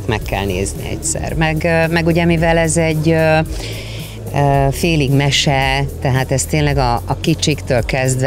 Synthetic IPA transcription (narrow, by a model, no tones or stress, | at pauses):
kmɛkːɛ̰lnḛːznḭɛ̰csɛ̰rmɛɡmɛɡuɟɛmivɛlɛzɛɟːø | øfeːliɡmɛʃɛt̪ɛɦaːt̪ɛst̪eːnlɛɡɒːkit͡ʃikt̪øːlkɛzd̪ʋ